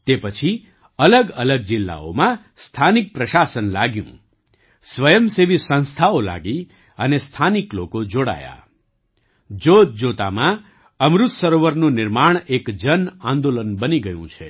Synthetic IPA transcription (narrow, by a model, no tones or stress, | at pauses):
t̪epət͡ʃʰi | ələɡələɡ̚d͡ʒɪlːa̰o̰mã | st̪ʰanik̚pɾəʃasənlaɡjṵ̃ | sʋəjəmseʋisə̃nst̪ʰaola̰ɡi | ənest̪ʰaniklokod͡ʒoɽa̰ja̰ | d͡ʒod͡ʒot̪a̰mã | əmɾut̪səɾoʋəɾnũnɪɾmaɳ̃ekd͡ʒənãnd̪olənbəniɡəjṵ̃t͡ʃʰe